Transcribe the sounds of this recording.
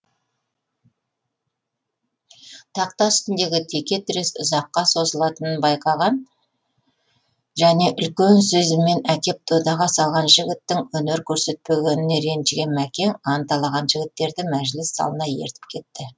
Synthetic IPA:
t̪ʰɑq̚t̪ɑʏst̪ɪnd̪e̞ɡʲɪt̪ʰe̞kʲe̞t̪ʰɪɾesʊzɑqːɑso̞zəlˠɑt̪ənənbɑjqɑʁɑn | ʒæne̞ʔʏlkʲe̞nsɵzɪme̞nækʲe̞p̚t̪ʰud̪ɑʁɑsɑlˠʁɑnʒɪɡʲɪt̪ːɪŋwɵne̞ɾkʲʰɵɾse̞t̪̚pe̞ɡʲe̞nɪneɾe̞nd͡ʒɡʲe̞nmækʲe̞ŋɑnt̪ɑlˠɑʁɑnʒɪɡʲɪt̪ːe̞ɾd̪ɪmæʒlɪsːɑ̰lˠənɑjḛɾt̪ɪ̥p̚kʲʰe̞t̪ːɪ

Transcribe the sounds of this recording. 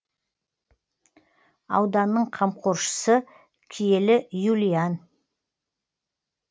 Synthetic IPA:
ɑ̰wd̪ɑnːəɴqʰɑmqʰoɾʃə̥sə | kʲʰije̞lɪjulʲijan

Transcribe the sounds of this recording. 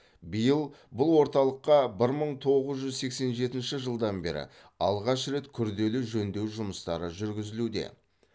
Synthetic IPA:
bijəlˠbʊlˠwo̞ɾt̪ɑlˠəqːɑbɪɾməɴt̪ʰo̞ʁəzʒʏzse̞kse̞nʒe̞t̪ɪnʃɪʒəlˠd̪ɑnbe̞̰ɾɪ̰ | ɑlˠʁɑʃɾe̞t̪kʲʰʏɾd̪e̞lɪʒɵnd̪e̞wʒʊməst̪ɑ̰ɾəʒʏɾɡʲɪzɪlud̪e̞̰

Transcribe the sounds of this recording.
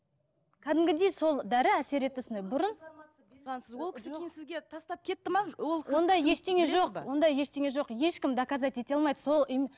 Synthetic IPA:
kʲʰæd̪ɪmɡʲɪd̪ejso̞lˠd̪æɾɪæse̞ɾe̞t̪ːɪsɪnebʊɾʊn | ɑnsəwolˠkʲʰɪ̥sensɪzɡʲet̪ʰɑst̪ɑp̚kʲʰe̞t̪ːɪmɑwolˠwo̞nd̪ɑjje̞ʃt̪eŋʲe̞ʒo̞qwo̞nd̪ɑjje̞ʃt̪e̞ŋe̞ʒo̞qje̞ʃkʲɪmd̪ɑkɑzɑj̪t̪e̞t̪eɑlˠmɑjd̪əso̞lˠi

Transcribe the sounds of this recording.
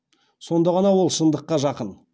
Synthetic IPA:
so̞nd̪ɑʁɑnɑwo̞lˠʃənd̪əqːɑʒɑqən

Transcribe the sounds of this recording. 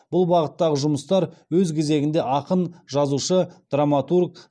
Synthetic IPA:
b̥ʊlˠbɑʁət̪ːɑʁəʒʊməst̪ɑɾwɵzkʲʰe̞ze̞ɡʲɪnd̪e̞ʔɑqənʒɑzuʃəd̪̥ramat̪urk

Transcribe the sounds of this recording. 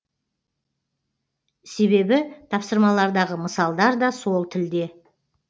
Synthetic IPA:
se̞βe̞bɪt̪ʰɑpsəɾmɑlˠɑɾd̪ɑʁəməsɑlˠd̪ɑɾd̪ɑso̞lˠt̪ʰɪld̪e̞

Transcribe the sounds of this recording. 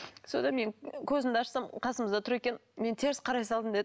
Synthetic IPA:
so̞nd̪ɑme̞ŋkʲʰɵzɪmd̪ɑʃsɑmqʰɑsəməzd̪ɑt̪ʰʊɾe̞kʲe̞nme̞nt̪ʰe̞ɾɪsqʰɑɾɑjsɑlˠəmd̪e̞d̪ɪ

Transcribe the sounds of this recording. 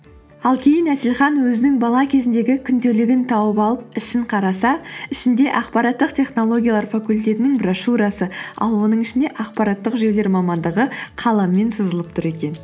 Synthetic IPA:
ɑlˠkʲʰe̞jɪnæsɪlχɑnwɵzɪnɪŋbɑlˠɑkʲʰe̞zɪnd̪e̞ɡʲɪkʲʰʏnd̪e̞lɪɡʲɪnt̪ʰɑwəpɑlˠəp̚ɪʃɪɴqʰɑɾɑsɑɪʃɪnd̪e̞ʔɑqpɑɾɑt̪ːəqt̪ʲʰe̞χno̞lˠo̞ɡʲijɑlˠɑɾfakulʲt̪e̞t̪ɪnɪŋbraʃuɾɑsəɑ̰lˠwo̞nəɴɪʃɪnd̪e̞ʔɑqpɑɾɑt̪ːəqʒe̞le̞ɾmɑmɑnd̪əʁəqʰɑlˠɑmːe̞nsəzəlˠəp̚t̪ʊɾe̞kʲe̞n

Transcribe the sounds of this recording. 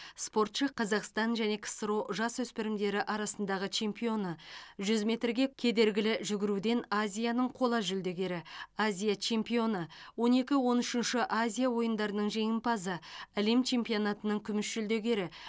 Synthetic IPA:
spo̞rt̪ʃəqʰːɑzɑqst̪ɑnʒæne̞kʲʰɪ̥sɾo̞ʒɑswɵspɪɾɪmd̪e̞ɾɪʔɑɾɑsən̪d̪ɑʁət͡ʃʰe̞mpijo̞nəʒʏzmʲe̞t̪rɡʲe̞kʲʰe̞d̪e̞ɾɡʲɪlɪʒʏɡʲɪɾud̪e̞nazʲijanəɴqʰo̞lˠɑʒʏld̪e̞ɡʲe̞ɾɪazʲijat͡ʃʰe̞mpijo̞nəwo̞ne̞kʲɪwo̞nʏʃɪnʃɪʔazʲijawo̞jənd̪ɑɾənəɴʒe̞jɪmpɑzəælemt͡ʃʰe̞mpijo̞nat̪ənəɴkʲʰʏmɪʃʒʏld̪e̞ɡʲe̞ɾɪ

